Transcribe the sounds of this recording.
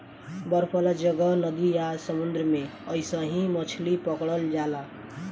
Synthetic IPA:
bʌɾpʰɔlad͡ʒʌɡʌnʌd̪ijasʌmund̪ɾəmẽʌjsʌ̃ɦĩmʌt͡ʃʰlipʌkɽʌld͡ʒala

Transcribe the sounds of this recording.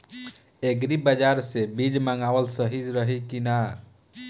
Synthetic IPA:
eɡɾibəd͡ʒaɾsebid͡ʒməŋɡaʋəlsəɦid͡ʒɾəɦikina

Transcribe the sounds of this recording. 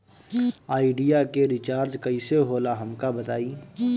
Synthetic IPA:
aːiɖijakeɾɪt͡ʃaːɾd͡ʒkɐiseɦoːlaɦɐmkabɐt̪aːiː

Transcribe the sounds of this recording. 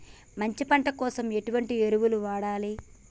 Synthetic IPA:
mɐɲt͡ʃipɐɳʈɐkɔːsɐme̞ʈuʋɐɳʈieɾuʋuluʋaːɽaːli

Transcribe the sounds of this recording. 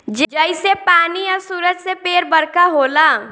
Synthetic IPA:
d͡ʒed͡ʒəɪsepaːniəɾsuːɾəd͡ʒsepeɾbəɾkaɦola

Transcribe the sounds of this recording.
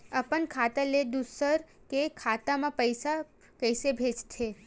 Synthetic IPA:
əpənkʰat̪aled̪usəɾ | kekʰat̪amãpəjsa | kəjsebʱed͡ʒtʰe

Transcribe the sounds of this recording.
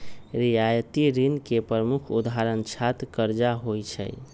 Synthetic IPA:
ɾijajət̪iɾinkepɾəmukʰud̪aɾənt͡ʃʰat̪kəɾd͡ʒaɦojt͡ʃʰə̰j

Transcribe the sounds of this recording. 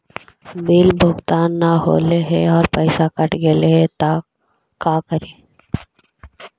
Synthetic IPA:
bɪlbʱʊɡt̪aːnːaɦo̰ːleɦɛɔːɾpɛɪsakɐʈɡeleɦɛt̪a | kaːkəɾeː

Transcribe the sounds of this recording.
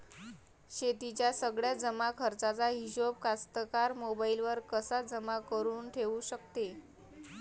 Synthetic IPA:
ɕet̪it͡ɕjasəɡɭjad͡zəmakʰəɾt͡sat͡saɦiɕob̚kast̪əkaɾmobailʋəɾkəsad͡zəmakəɾuːnʈʰeʋuɕəkt̪e

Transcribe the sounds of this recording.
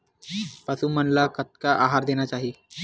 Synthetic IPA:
pəsumənlakət̪̚kaʔaɦaɾd̪enat͡ɕaɦi

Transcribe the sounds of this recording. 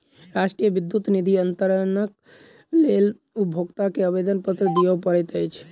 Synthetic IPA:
ɾasʈɾijəbid̪ːut̪nid̪ʱiənt̪əɾənək | lel | ubʱoɡt̪akeəbed̪ənpət̪ɾəd̪ijəpəɾɛt̪əjt͡ʃʰ

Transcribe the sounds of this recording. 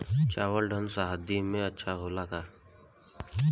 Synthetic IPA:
t͡ʃaːwəlɖʱənsaːɦad̪imẽɐtːʃʰaɦoːlakaː

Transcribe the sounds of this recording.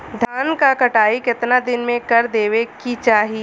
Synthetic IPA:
d̪ʱaːnkakɐʈaːikɪt̪nad̪ɪnmẽkɐɾd̪eːʋekit͡ʃaːɦi

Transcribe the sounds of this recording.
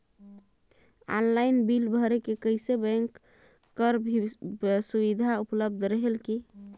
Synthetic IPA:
ɔ̰nlainbilbʱəɾekekəjsebɛ̃ŋkː | əɾ | subid̪ʱaupləb̚d̪ʱɾəɦelki

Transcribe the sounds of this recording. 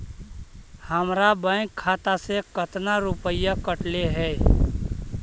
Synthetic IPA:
həmɾabə̃kʰːaːt̪asekət̪naɾʊpəɪjakəʈleɦɛː

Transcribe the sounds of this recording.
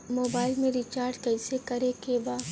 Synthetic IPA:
moːbaːɪlmẽɾɪt͡ʃaːɾɖkɛɪsekɐɾekebaː

